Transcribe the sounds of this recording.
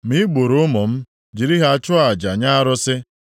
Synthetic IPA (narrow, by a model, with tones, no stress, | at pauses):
mi˦ɡ͡bo˨ɾʊ˦mɔ˨m̩˦ | d͡ʒi˨ɾi˦ɦa˨t͡ʃʊ˦a˨d͡ʒa˨ɲa˦a˦ɾʊ˦sɪ˦